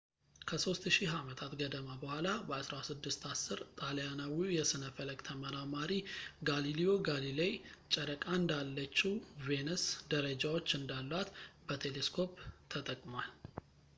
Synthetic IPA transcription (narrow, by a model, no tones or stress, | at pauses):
kʰəso̞st̪ʃiɦamət̪ʰat̪ɡəd̪əmabəhʷalabəasɾasɨd̪ːɨst̪ʰasːɨɾt̪ʼaljanawijɛsɨnəfələkʼt̪ʰəməɾamaɾiɡalilio̞ɡalilejt͡ʃʼəɾəkʼaɨnd̪alːət͡ʃːiwve̞nɨsd̪əɾəd͡ʒawo̞t͡ʃːɨnd̪alːat̪bət̪ʰe̞leskʰo̞pt̪ʰət̪ʼəkʼmwal